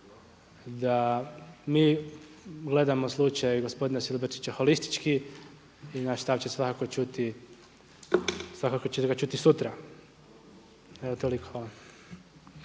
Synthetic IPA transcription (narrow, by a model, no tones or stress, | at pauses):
d̪a | miː | ɡle̞d̪amoslˠut͡ʃajɡo̞spod̪inasilbeɾt͡ʃit͡ɕaxolist̪i̥t͡ʃki | inaʃst̪aʋt͡ɕesʋakako̞t͡ʃut̪i | sʋakakot͡ʃeɡat͡ʃut̪isut̪ɾa | eot̪olikʰo